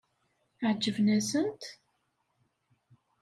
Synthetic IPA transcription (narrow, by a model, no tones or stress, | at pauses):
ʕd͡ʒːəvnæsənt̪